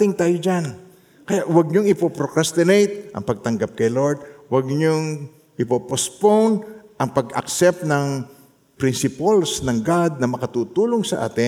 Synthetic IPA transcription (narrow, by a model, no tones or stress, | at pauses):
t̪ɪŋt̪aːjod͡ʒan | kɐjaʔwɐɡ̚ɲoŋɪpopɾokɾast̪ɪnejt̪̚ʔɐ̰ŋpɐɡ̚t̪ɐŋɡap̚kɐjloɹd̪̚wɐɡ̚ɲoŋ | ʔɪpopospownʔɐŋpɐɡɐ̰ksɛp̚t̪̚nɐŋ | pɾɪnsɪpɐlsnɐŋɡad̪̚nɐmɐkɐt̪uːt̪uːloŋsɐʔa̰ːt̪ɪ